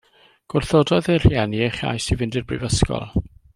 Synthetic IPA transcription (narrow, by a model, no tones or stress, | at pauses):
ɡ̥ʊrθodɔðɛr̥jɛnieχja̰jsivɪndɪrbrɪ̰vəskɔ̰lˠ